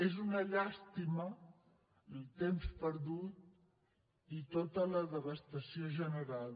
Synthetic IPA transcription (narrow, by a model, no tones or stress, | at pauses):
ezunəʎast̪imə | ilˠt̪emspəɾðut̪̚ | it̪ot̪ələðəβəst̪əsioʒənəɾal